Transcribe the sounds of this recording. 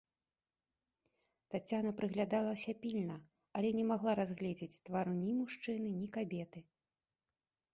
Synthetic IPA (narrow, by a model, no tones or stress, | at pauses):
t̪at͡sʲanɐpɾɨɣlʲad̪alˠɐsʲɐpʲilʲnɐ | ɐlʲɛnʲɛmaɣlˠaɾazɣlʲɛd͡zʲɛt͡sʲt̪vaɾunʲimuʂt͡ʂɨnɨnʲikabʲɛt̪ɨ